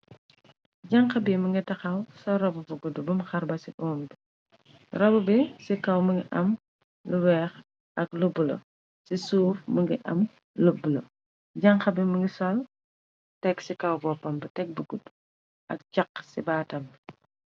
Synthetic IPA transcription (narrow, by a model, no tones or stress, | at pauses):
ɟɐŋxɐbiməŋɡitɐxɐwsɔɾɔbubuɡudubumxɐɾbɐsiʔɔːmbi | rɔbubisikɐwməŋɡiʔɐm | luwɛːx | ʔɐklubːulɐ̰ | sisuːfməŋɡiʔɐ̰m | lubːulɐ | ɟɐŋxɐbimuŋɡisɔl | tɛksikɐwbɔpɐmbɐtɛk̚buɡudu | ʔɐ̰k̚t͡ʃɐqːsibaːtɐm